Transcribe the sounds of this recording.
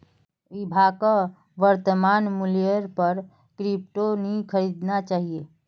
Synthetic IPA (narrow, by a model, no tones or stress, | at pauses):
ibʱaːka | ʋəɾt̪əmaːnmʊlijəɾpəɾ | kɾip̚ʈonĩkʰəɾiːd̪nat͡ʃaːɦie